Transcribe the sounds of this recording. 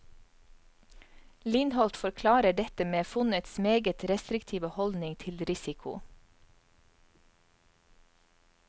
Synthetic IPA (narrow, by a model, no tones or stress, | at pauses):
lɪnhɔlt̪fɔɾkʰlɑːɾəɖɛt̪əmeːfʉnət̪smeːɡət̪ɾɛst̪ɾɪkt̪ʰiːʋəhɔld̪nɪŋt̪ʰɪlɾɪsɪkʰʊ̰